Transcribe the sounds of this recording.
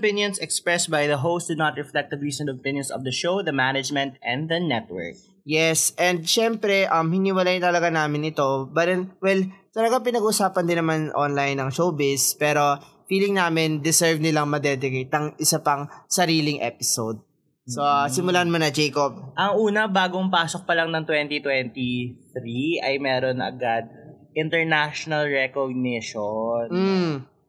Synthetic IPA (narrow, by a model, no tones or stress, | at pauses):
pɪnjɔ̃nsɛkspɹɛst̪̚bajðɐɦows̚d̪unat̪ɹɛflɛk̚t̪ɛd̪ɹiːsɛ̃nt̪ɔpɪ̃njɔ̃nsɔvd̪ɐʃowd̪ɐmænɛd͡ʒmɛ̃nt̪ʔɛ̃nd̪̚d̪ɐnɛt̪̚wɛ̰ɹk̚ | jɛsʔɛnd̪̚ʃɛmpɾɛʔɐmhɪnɪwɐlajnt̪ɐlɐɡanaːmɪnɪt̪o̞bɐɾɛnwɛlt̪ɐlɐɡaŋpɪnɐɡuʔʊsaːpɐnd̪ɪnɐmanʔonlajnːɐŋʃowbɪspɛːɾo̞ | fiːlɪŋnaːmɪnd̪ɪsɛɹvnɪlaŋmɐd̪ɛd̪ɪkejt̪̚ɐŋɪsɐpɐŋsɐɾiːlɪŋʔɛ̰ːpɪsowd̪̚ | sosɪmʊlanmonɐd͡ʒɛjkob̚ʔɐŋʔuːnɐbaːɡoŋpaːsok̚pɐlaŋnɐŋt̪wɛnt̪it̪wɛnt̪iθɾiɐjmɛːɾonʔɐ̰ɡad̪̚ | ʔɪnt̪ɛɹnaʃonɐlɹɛkoɡ̚nɪʃon̩